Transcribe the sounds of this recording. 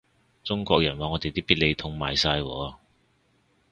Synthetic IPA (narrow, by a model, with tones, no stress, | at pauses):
t͡sʊ˥ŋkʷɔː˧k̚jɐ˨˩nwaː˧ŋɔː˨˧t̪e˨t̪iː˥piː˥t̚le˨˧jt̪ʰʊ˧ŋma̰ː˨jsaː˧jwɔ̰ː˨˥˧